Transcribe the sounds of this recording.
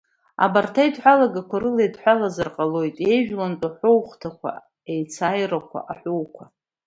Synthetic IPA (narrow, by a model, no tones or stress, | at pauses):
a̰bartʰaidħʷalaɡakʷʰaɾɨlejdħʷalazarqʼalo̞jtʼe̞jʒᶣlant͡sʷʼaħʷowχtʰakʷʰa̰ | ejt͡sʰajrakʷʰa̰ʔaħʷowkʷʰa